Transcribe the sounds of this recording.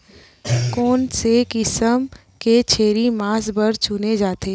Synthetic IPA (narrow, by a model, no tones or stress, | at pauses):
kɔːnsekɪsəm | ket͡ʃʰeːɾimaːsbɐɾt͡ʃuned͡ʒaːt̪eː